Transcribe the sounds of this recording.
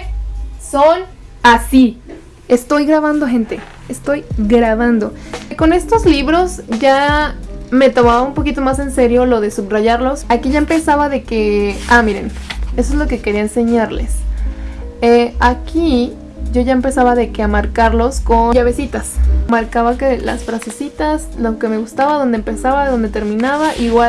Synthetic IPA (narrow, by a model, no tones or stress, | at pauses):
sonasi | e̞st̪o̞jɣɾaβand̪oxe̞nt̪e̞ | est̪o̞jɡɾaβand̪o̞ko̞ne̞st̪o̞zliβɾo̞sʝa | me̞t̪o̞maβaumpo̞kit̪o̞mase̞nse̞ɾjo̞lo̞ðe̞subraʝaɾlo̞sakiʝaempe̞saβaðe̞ke̞amiɾe̞̰nesoezlo̞ke̞ke̞ɾiaense̞ɲaɾlḛs | eakʰi | ɟ͡ʝo̞ʝaempe̞saβaðe̞keamaɾkaɾlo̞sko̞ʝaβe̞sit̪asmaɾkaβakela̰sfɾase̞sit̪asloke̞me̞ɣust̪aβaðo̞nd̪eempe̞saβaðo̞nd̪et̪e̞ɾmĩnaβaʔiɣwa